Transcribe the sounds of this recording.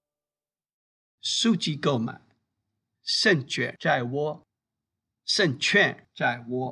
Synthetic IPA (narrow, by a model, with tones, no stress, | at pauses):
su˥˩t͡ɕi˧ko˥˩ʊma̰˨˩˦ | ʂə˥˩nt͡ɕɥɛ̰˨˩ʈ͡ʂa˥˩ɪwɔ˥ | ʂə˥˨nt͡ɕʰɥɛ˥˧˨nʈ͡ʂa˥˩ɪwɔ˥